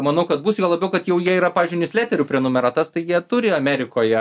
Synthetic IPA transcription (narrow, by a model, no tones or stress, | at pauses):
mɐnɐʊkɐt̪buːsjoːlˠɐbʲɛʊkɐt̪jɛʊjiɛiːɾɐpɑːʋʲizʲd͡ʒʲʊɪnʲɪsʲlʲæːt̪ʲɛɾʲuːpʲɾʲɛnʊmʲɛɾɑt̪ɐst̪ɐɪjiɛt̪ʊɾʲɪɐmʲæːɾʲɪkoːjɛ